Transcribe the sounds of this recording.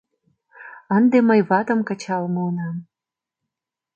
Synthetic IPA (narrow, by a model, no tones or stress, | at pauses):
ənd̪eməjβɑt̪ə̆mkə̆t͡ɕɑlmuunɑm